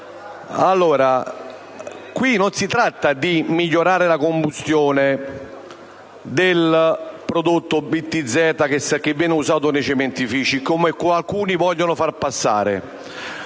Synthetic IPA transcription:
alːoːɾa | kwinonsit̪ɾat̪ːad̪imiʎːoɾaːɾɪlakombust̪jɔːnɪ | d̪ɪlpɾod̪ot̪ːʊbit̪ːid̪zːɛːt̪ak̟esak̟ːɪvːjɛːnɪusaːt̪ʊnet͡ʃɛmɛnt̪ifiːt͡ʃikomekːoalkuːnivɔʎːonʊfarpasːa̰ːɾɪ̰

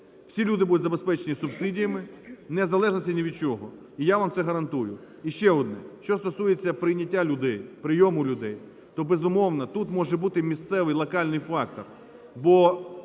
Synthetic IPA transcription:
wsʲilʲud̪ɪbud̪ʊtʲzɐbespɛt͡ʃenʲisʊbsɪdʲijɐmɪnezɐlˠɛʒnɐsʲtʲinʲiʋʲid̪̚t͡ʃɔɦɔ | ijaʋamt̪ɛɦɐɾɐnt̪ujʊ | iʃt͡ʃɛɔd̪nɛʃt͡ʃɔst̪ɔsujet͡sʲːɐpɾɪjnʲɐtʲːalʲʊd̪ɛjpɾɪjɔmʊlʲʊd̪ɛj | t̪ɔbɛzʊmɔwnɐt̪ut̪mɔʒɛbut̪ɪmʲist̪sɛʋɪjlˠɐkɑlʲnɪjfɑk̚t̪ɔr | bɔ

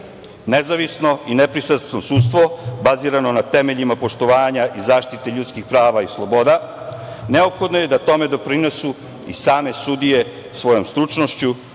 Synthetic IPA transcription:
nezaʋisno̞inepɾisat̪t̪nosut̪st̪ʋo̞baziɾano̞nat̪emeʎimapo̞ʃt̪o̞ʋaːɲaʔizaːʃt̪it̪eʎut̪skixpɾaːʋaislˠobo̞d̪a | neopxo̞d̪noje̞d̪at̪o̞med̪o̞pɾine̞su | ḭsaːme̞sud̪ije̞ | sʋo̞jo̞mst̪ɾut͡ʂno̞ʃt͡ɕu

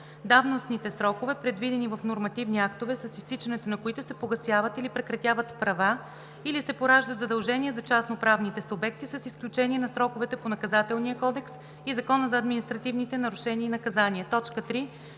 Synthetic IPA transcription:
d̪avnosnit̪ɛsɾɔkovɛpɾɛd̪vid̪ɛnivɐfnoɾmɐt̪ivniakt̪ovɛsɐsist̪it͡ʃɐnɛt̪onɐkoit̪ʊsɛpoɡɐsjavət̪ilipɾɛkɾɐt̪ʲjavət̪pɾɐva | ilisɛpoɾaʒd̪ət̪zɐd̪ɐlˠʒɛniɛzɐt͡ʃasnopɾavnit̪ɛsʊbɛk̚t̪isɐsisklʲut͡ʃɛniɛnɐsɾɔkʊvɛt̪ɛponɐkɐzat̪ɛlˠniəkɔd̪ɛks | izɐkɔnəzɐːd̪minist̪ɾɐt̪ivnit̪ɛnɐɾʊʃɛniːnɐkɐzaniɛt̪ɔt͡ʃkət̪ɾi

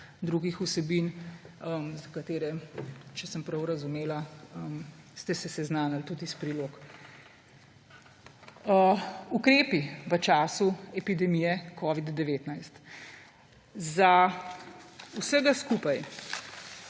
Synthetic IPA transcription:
d̪ɾuɡixusɛbiːnəmzakat̪eːɾɛt͡ʃɛsəmpɾɐwɾɐzumeːlaəmst̪ɛsɛsɛznaːnalt̪ut̪ispɾiloːk | əukɾeːpiʋət͡ʃaːsuɛpid̪ɛmijɛkʰɔːʋid̪d̪ɛʋeːt̪najst̪ | za | usəɡaskuːpaj

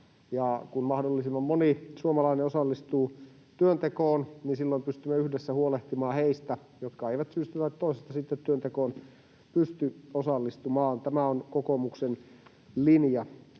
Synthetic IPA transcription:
jɑkunmɑhdolːisimːɑmmonisuomɑlɑineosɑlːist̪uː | t̪yønt̪ekoːnninsilːoimpyst̪ymːeyhdesːæhuoleht̪imɑːheist̪æ | jot̪kɑeiʋæt̪syst̪yt̪æt̪toisest̪ːɑsit̪ːet̪tyønt̪ekoːn | pyst̪yosɑlːist̪umɑːnt̪æmæonkokomuksen | linjɑ

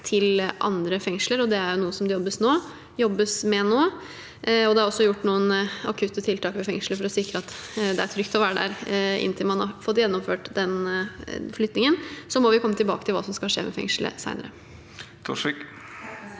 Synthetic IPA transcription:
t̪ʰɪlʔɑ̰nd̪ɾəfɛŋʂləɾɔd̪ɛæɾjʊnuːəsɔmd̪ɛjɔbːəsnoː | jɔbːəsmɛnoː | ɔd̪ɛɑɾɔsːɔjʊʈːnuːənɑkʰʉt̪ːət̪ʰɪlt̪ʰɑːkmɛfɛŋʂl̩əfɔɾɔsɪkɾəɑt̪ːd̪ɛæɾt̪ʰɾʏkt̪ɔʋæːɾəd̪æ̰ɾɪ̰nt̪ʰɪlmɑnhɑ̰ɾfɔt̪ːjɛnːɔmføːʈd̪ɛn | flʏt̪nɪŋənsɔmɔʋɪkʰɔmːət̪ɪlbɑ̰ːkət̪ʰɪlʋɑ̰ːsɔmskɑʂḛːmʔɛ̰fɛ̰ŋʂlə̰sæ̰ɪnəɾə̰ | t̪ʰɔ̰ʂɪk

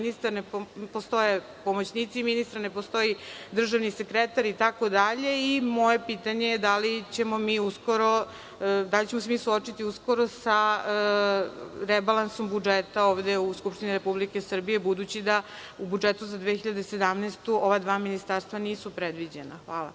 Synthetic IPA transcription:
nist̪aɾnepost̪o̞je | pomot͡ɕnit̪siminist̪aɾne̞post̪o̞id̪r̩ʒaʋnise̞kɾet̪aɾit̪ako̞d̪aʎe̞imo̞je̞pit̪aɲejed̪alit͡ɕe̞mo̞miːusko̞ɾo | d̪alit͡ɕe̞mose̞miːsuo̞t͡ʃit̪iusko̞ɾosaə | ɾebalˠanso̞mbud͡ʒet̪aoːʋd̪e̞uskupʃt̪iniɾe̞publike̞sr̩bije̞bud̪ut͡ɕid̪a | ubud͡ʒe̞t̪uzad̪ʋexiʎad̪ese̞d̪amnest̪uo̞ʋad̪ʋaːminist̪aɾst̪ʋaniːsupɾed̪ʋid͡ʑe̞naxʋaːlˠa̰

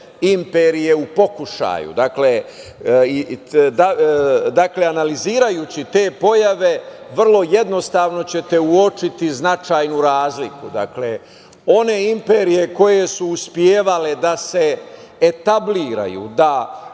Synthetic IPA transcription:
impe̞ːɾije̞upo̞kuʃa̰jṵd̪akle | d̪ad̪akle̞analiziːɾajut͡ɕit̪e̞ːpo̞jaʋe̞ʋr̩lˠo̞je̞d̪no̞st̪aːʋno̞t͡ɕe̞t̪e̞uo̞t͡ʃit̪iznat͡ʃaːjnuɾaːzlikud̪a̰kle | o̞ne̞impe̞ɾije̞ko̞je̞suːspjeːʋale̞d̪ase̞ː | t̪abliːɾa̰jṵd̪a

